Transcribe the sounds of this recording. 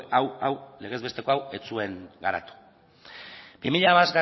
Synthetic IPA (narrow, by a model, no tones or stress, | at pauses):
awawle̞ɣe̞zβe̞st̪e̞ko̞awe̞t͡sue̞ŋɡaɾa̰t̪u̥ | b̥imiʎaβazɣa